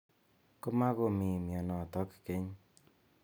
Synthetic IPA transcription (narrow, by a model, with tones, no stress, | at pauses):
ko˦ma˦ko˨mi˨mjɔ˨nɔ˨tɔ˦kke˦ɲ